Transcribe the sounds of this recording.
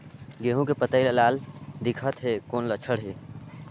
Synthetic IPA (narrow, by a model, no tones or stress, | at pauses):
ɡeɦũkepət̪əɪlelald̪ikʰət̪ɦekonlət͡ʃʰəɽɦe